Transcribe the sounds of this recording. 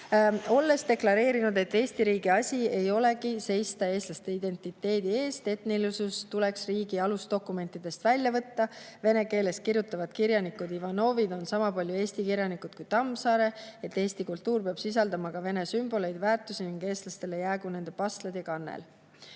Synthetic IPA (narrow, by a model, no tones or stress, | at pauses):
o̞lːe̞st̪e̞klɑɾe̞ːɾinud̪e̞t̪ːe̞ːsʲt̪iɾiːɡiɑsʲie̞jo̞le̞kise̞jst̪ɑe̞ːst̪lɑst̪e̞id̪̥e̞nt̪ːˑit̪ːˑe̞ːd̪̥ie̞ːst̪e̞t̪nilisust̪ule̞ksriːɡ̥iɑlusd̪̥o̞kːˑume̞nt̪ːˑid̪̥e̞st̪vælʲjɑvɤt̪ːɑve̞ne̞ke̞ːle̞st̪kirjut̪ːˑɑvɑd̪̥kiɾjɑnikːud̪ivɑno̞ːvid̪̥o̞nsɑmɑpɑlʲjue̞ːsʲt̪ikiɾjɑnikˑud̪̥kujt̪ɑmsɑːɾe̞et̪ːe̞ːst̪ikult̪ˑːuːrpeɑb̥sis̬ɑld̪̥ɑmɑkɑve̞ne̞symb̥o̞lejd̪væːrt̪ːˑusiniŋɡ̥e̞ːst̪lɑst̪e̞lejæːɡune̞nd̪̥e̞pɑst̪led̪jɑkɑnːḛl